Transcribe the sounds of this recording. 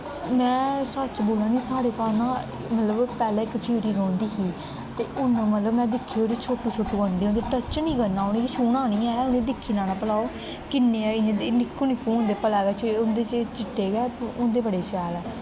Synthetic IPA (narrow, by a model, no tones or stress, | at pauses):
mɛ̃ːsət͡ʃboːlãːnĩːsaːɽeːkaːlnãː | mət̪ləbpɛːlɛ̃ːɪkt͡ʃʰiːɽiːɾɔ̃ːnd̪iːɦiː | t̪ḛːʔʊnːmət̪ləbmɛ̃ːd̪ɪkʰːeːoːɾiːt͡ʃʰoːʈːuːt͡ʃʰoːʈːuːɡəɳɖeːõːd̪eːʈət͡ʃnĩːɡənːãːʊnẽːkːt͡ʃʰuːnãːnĩːɛːʊnẽːd̪ɪkʰːiːnaːnãːpəlaːoː | kɪnːeːɛːɪ̃ːd̪enɪkʰːũːnɪkʰːũːʊnd̪eːpəlɛːɡɛːt͡ʃʊnd̪eːt͡ʃt͡ʃɪʈːeːɡɛːʊnd̪eːbəɽeːt͡ʃɛːlɛː